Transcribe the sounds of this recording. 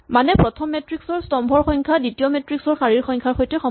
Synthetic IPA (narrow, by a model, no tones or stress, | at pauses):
manɛpɹɔtʰɔmːɛtɹiksɔɹstɔmbʱɔɹxɔŋkʰaditiɔmetɹiksɔɹxaɹiɹxɔjŋkʰaɹxojtɛxɔ